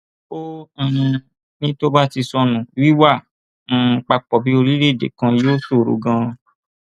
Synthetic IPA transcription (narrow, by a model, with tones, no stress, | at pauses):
õ˦˧˨ | nĩ˦to˦ba˦ti˧sɔ˧nũ˨wi˦wã˦˨˧ | k͡pa˧k͡pɔ˨bi˨˦o˧ɾi˦ɾe˦˨dḛ˨kã˧joː˦so˦˨ɾo̰˨ɡã˧